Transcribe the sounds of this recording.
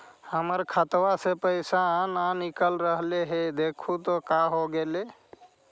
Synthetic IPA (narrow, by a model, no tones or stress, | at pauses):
həməɾkʰət̪wasepəɪsaːnanikəlɾəɦleɦed̪ekʰut̪ɔkaɦoɡele